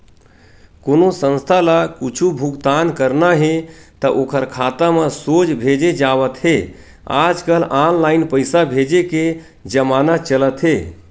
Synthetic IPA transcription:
konosə̃nst̪ʰalakut͡ʃʰubʱuɡt̪ankəɾnaɦet̪əʔokʰəɾkʰat̪amẽsod͡ʒbʱed͡ʒed͡ʒaʋət̪ɦe | a̰d͡ʒkəlãllainpəɪsabʱed͡ʒeke | d͡ʒəmanat͡ʃələt̪ɦe

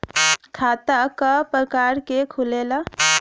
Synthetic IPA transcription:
kʰaːt̪akapɾəkaːɾkekʰulela

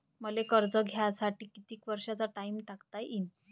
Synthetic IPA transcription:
məlekəɾd͡zəɡʱjasaʈiːkit̪iːkʋəɾʂat͡saʈaimʈakt̪ajʔin

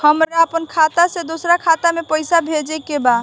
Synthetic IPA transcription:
həmɾaəpənkʰat̪asẽd̪osɾakʰat̪amepəjsabʱed͡ʒɛkeba

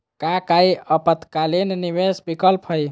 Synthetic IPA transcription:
kakajəpət̪kalenniʋesbikəlpʰəj

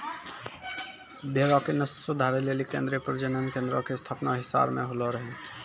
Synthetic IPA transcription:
beɾãkenəssʊd̪ʱaːɾeleːlikẽːnd̪ɾepɾəd͡ʒənənkẽːnd̪ɾɔ̃kest̪ʰaːpnaɦɪsa̰ːbmẽɦoloɾəɦẽ

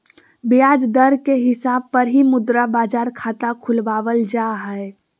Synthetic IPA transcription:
bijaːd͡ʒd̪əɾkeɦɪsaːb̚pəɾɦimʊd̪ɾabaːd͡ʒaːɾkʰaːt̪akʰʊlʋaːʋəld͡ʒaɦɛe

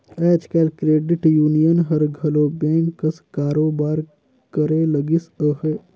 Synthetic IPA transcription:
ɛːt͡ʃkeːlkɾeːɖɪʈjuːnijənɦɐɾɡʱɐloːbẽːŋkːəskaːɾoːbaːɾ | kəɾeləɡisəɦeː

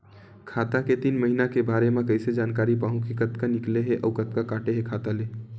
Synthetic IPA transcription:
kʰat̪aket̪inməɦinakebaɾemekəjsed͡ʒankaɾipaɦũkekət̪kanikleɦeʔəukət̪̚kakaʈeɦekʰat̪ale

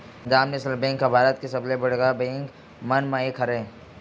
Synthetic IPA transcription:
d͡ʒaːmneslbẽːŋkabʱaːɾət̪̚kesɐblebəɽɡabẽːŋk | mɐnmãekʰɐɾẽ

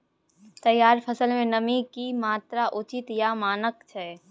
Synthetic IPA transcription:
t̪ɐjːaːɾpʰəsəlmẽnɐmikimaːt̪ɾaʔʊt͡ʃɪt̪jamaːnəkt͡ʃʰɛː

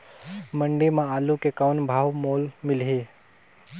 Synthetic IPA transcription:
məɳɖimãaːlukekawnbʱaːʋmoːlmɪlɦeː

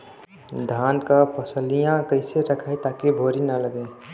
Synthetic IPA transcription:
d̪ʱaːnkapəsəlijãkəɪseɾəkʰaːet̪aːkibʱoːɾinɐləɡe

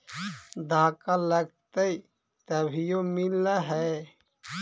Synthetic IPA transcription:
d̪aːkaləɡt̪ei | t̪əbʱijomɪlaɦɛ

